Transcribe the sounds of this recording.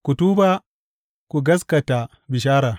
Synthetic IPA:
ku˨tuː˦ba˦ | ku˨ɡɐ˦s̬kɐ˨ta˨ | bɪ˨ʃ̬aː˦ɾaː˨

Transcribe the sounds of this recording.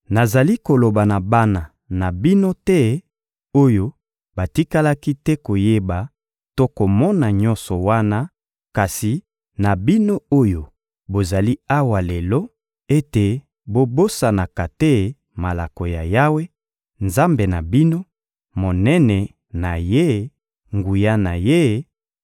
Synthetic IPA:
na˨za˨li˦ko˨lo˨ba˨na˨ba˦na˨ | na˨bi˦no˦tɛ˦ | o˦jo˦ | ba˨ti˦ka˦la˦ki˦tɛ˦ko˨je˦ba˨ | to˦ko˨mɔ˦na˨ɲɔ̃˦nsɔ˨wa˦na˦ | ka˨si˨ | na˨bi˦no˦o˦jo˨ | bo˨za˨li˦a˦wa˨lɛ˨lɔ˦ | e˦te˨ | bo˦bo˦sa˨na˨ka˨tɛ˦ | ma˨la˨ko˨ja̰˨ja˦we˦ | nza˦mbe˨na˨bi˦no˦ | mo˨nɛ˦nɛ˨ | na˨je˦ | ŋɡu˨ja˦na˨je˦

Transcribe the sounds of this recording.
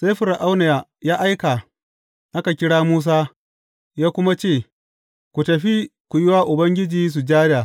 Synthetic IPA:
sa˦jɸʊ˨ɾa˨ʔa˦wna˨ja˨jaː˦ʔa˦jka˨ | ʔa˦ka˨kʲɪ˦ɽaː˦muː˦s̬aː˦ | jaː˦kʷʊ˦ma˦t͡ʃeː˦˨ | kʷu˨tɐ˨ɸi˦kʷu˨jɪ˦waː˦ʔʊ˨bɐ˦ŋɡʲɪ˦d͡ʒiː˦s̬u˨d͡ʒaː˦ɾɪ˦jaː˨

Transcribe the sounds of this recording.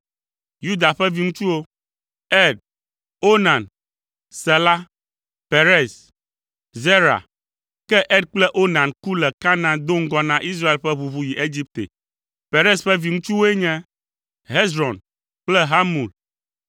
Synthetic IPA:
ju˦d̪a˨ɸɛ˦vi˦ŋũ˦t͡ʃu˦wo˦ | ɛ˦˨d̪̚ | o˦nã˨n | sɛ˨la˦ | pe˨ɾe˦s | ze˦ɾa̰˨ | kɛ˦ʔɛ˦d̪̚k͡plɛ˦ʔo˦nã˨nku˦lɛ˨ka˦nã˦d̪o˦ŋ̩˦ɡɔ˦nã˦ʔi˦s̬ɾa˦e˨lɸɛ˦βu˨βu˦ji˨ʔe˦d͡ʑi˦p̚t̪ḛ˨ | pe˨ɾɛ˦sɸɛ˦vi˨ŋũ˦t͡ʃu˦wo˦e˦ɲɛ̃˦ | ɦe˦zɾɔ˨n | k͡plɛ˦ɦa˦mu˨l

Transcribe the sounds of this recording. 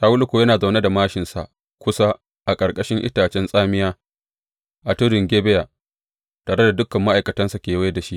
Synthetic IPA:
saː˨˦wʊ˦lkʷo˨jɐ˦naː˨za˨wne˦da˨maː˦ʃɪ˨nsa˨ʔ | kʷʊ˦sa˦ | ʔa˨kʼɐ˨ɾkʼɐ˦ʃɪ˦ŋʔɪ̰˦taː˨t͡ʃɛ˦nsʼaː˦mɪ˦jaː˦ | ʔa˨tʊ˦ɽɪ˨ŋɡʲeː˦bɛ˦jaː˨ | taː˨ɾe˦da˨dʊ˦kːɐ˨mːa˦ʔa˨jkɐ˨tɐ˦nsa˨kʲeː˨we˦jda˨ʃi˦ʔ

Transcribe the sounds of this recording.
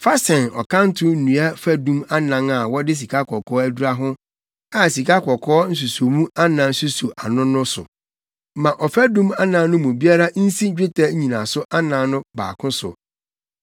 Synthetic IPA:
fa˦sɛ̃˨nɔ̰˨kʰã˦n̩˦tʰʊ˦n̩˦˨nũ˨a˦fæ˦dũ˦ma˦nã˨ŋa˨wɔ˦dɪ˦s̬i˨kʰa˦kʰɔ˨kʰɔː˦æ˦du˦ɾa˦ɦʊ̃˦ | a˨si˨ka˦kʰɔ˨kʰɔː˦n̩˦s̬u˨so˨mũ˦a˦nã˨˦n̩˦su˦su˨ʔa˨nʊ̃˦nʊ̃˦sʊ̰˨ | mã˨ʔɔ˨fæ˦dũ˦ma˦nã˨˦nʊ̃˦mũ˨bi˦a˦ɾa˦n̩˦si˦d͡ʑᶣɪ˦tʰɛ˦ɲĩ˨nã˨sʊ˦ʔa˦nãː˨˦nʊ̃˦ba̰ː˨kʰʊ̃˦sʊ̰˨

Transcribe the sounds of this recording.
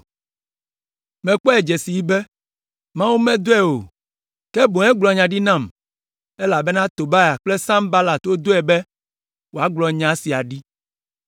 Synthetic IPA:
mɛ̃˨k͡pɔ˦ɛ˨d͡ʒɛ˨si˨ji˦bɛ˦ | mã˦wu˦mɛ̃˦d̪o˦ɛ˦o˨ | kɛ˦bo˨ɛ̃˦ɡ͡blɔ˨ɲã˨ɖi˦nã˦˨m | ɛ˦la˨bɛ˦nã˦t̪o˨ba˦ja˨k͡ple˦sã˦mba˦la˨t̪o˦d̪o˦ɛ˨bɛ˦ | wo˨a˦ɡ͡blɔ˨ɲã˨˦si˨a˨ɖi˦

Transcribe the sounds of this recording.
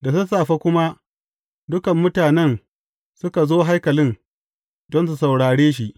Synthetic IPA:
da˨sʊ˦saː˨ɸa˦kʷʊ˦ma˦ʔ | dʊ˦kɐ˨mːʊ˦taː˨nɛ˦n | sʊ˦ka˨zoː˦ɦa˦jkɐ˨lɪ˦n | dɔ˦ns̬u˨sa˨wɽaː˨ɽeː˦ʃ̬i˨ʔ

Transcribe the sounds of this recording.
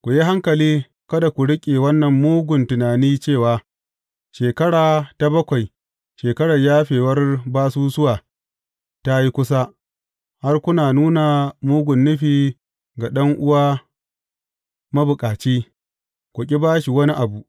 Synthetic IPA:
kʷʊ˨ji˦ɦa˦ŋkɐ˨liː˦ | kɐ˦da˨kʷʊ˨ɽɪ˦kʲʼe˨wɐ˦nːɐ˨mːuː˦ɡʷʊ˨ntʊ˨naː˨niː˦t͡ʃeː˦˨waː˨ | ʃeː˨kɐ˦ɽaː˨ta˦bɐ˦kʷa˨j | ʃeː˨kɐ˦ɽɐ˨rjaː˦ɸeː˨wɐ˦rbaː˦suː˦sʊ˦waː˨ | ta˦ji˦kʷʊ˦sa˦ | ha˦rkʷʊ˦naː˨nuː˦na˨muː˦ɡʷʊ˨nːʊ˦ɸiː˨ | ɡa˨ɗɐ˦ŋʔʊ˦waː˦ | mɐ˦bʊ˨kʼaː˨t͡ʃiː˦ | kʷʊ˨kʲʼi˦baː˦ʃi˨wɐ˦ni˦ʔa˨bu˨ʔ

